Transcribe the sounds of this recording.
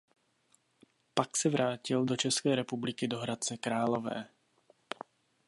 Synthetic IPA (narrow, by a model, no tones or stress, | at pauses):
paksɛvɾaːcɪldo̞t͡ʃɛskɛːɾɛpublɪkɪdo̞ɦɾat̪̚t͡sɛkɾaːlovɛ̰ː